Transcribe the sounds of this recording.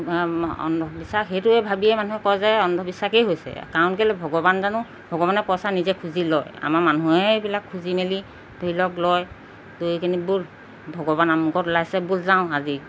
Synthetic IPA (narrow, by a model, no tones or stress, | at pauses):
ɔ̰ndʱɔbisakɦejtuɛbʱabiɛmanuɦɛkɔjzajɔndʱɔbisakejɦojsɛ̰kaɔnkɛlɛbʱɔɡɔbanzanʊ | bʱɔɡɔbanɛkɔsanizɛkʰuzilɔja̰maɹmanuɛbilakʰːuzimeli | boilɔklɔj | dokʰinibul | bʱɔɡɔβanamuɡɔtlajsɛbulzaʊ̃azi